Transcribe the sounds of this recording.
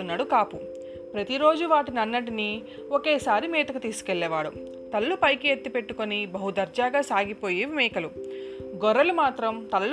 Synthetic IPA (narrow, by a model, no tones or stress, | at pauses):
unːaːɽukaːpu | pɾɐt̪iɾo̞ːd͡ʒuʋaːʈinɐnːɐʈini | oke̞ːsaːɾimɛːt̪ɐkut̪iːsu̥keɭːɛːʋaːɽṵ | t̪ɐlːupɐjkiet̪ːipe̞ʈːukonibɐɦud̪ɐɾd͡ʒaːɡaːsaːɡipo̞ːjiʋimɛːkɐlu | ɡɔɾːɐlumaːt̪ɾɐmt̪ɐlː